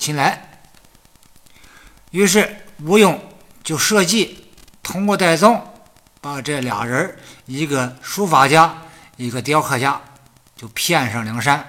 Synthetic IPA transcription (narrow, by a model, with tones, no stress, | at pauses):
t͡ɕʰi˧˥nla˧˥ɪ | y˧˥ʂɻ̩˥˩u˧˥jʊ˨˩˦ŋt͡ɕjo˥˧ʊʂɤ˥˧t͡ɕi˥˩ | t̪ʰʊ˥ŋkwɔ˥˧t̪a˥˩ɪt͡sʊ˥˩ŋ | pa˨˩ʈ͡ʂɤ˥˩ljɑ̰˨˩ŋɻə˧˥i˧˥ɡə˧ʂu˥fa˧˥t͡ɕja˥ | i˧˥ɡə˧t̪jɑ˥ʊkʰɤ˥˩t͡ɕja˥ | t͡ɕjo˥˩ʊpʰjɛ˥˧nʂɑ˥˩ŋljɑ˧˥ŋʂa˥n